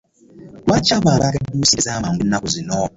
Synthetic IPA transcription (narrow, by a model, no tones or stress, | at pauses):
wat͡ʃaɓaɾakadusesamaŋɡunakuzʷinɔ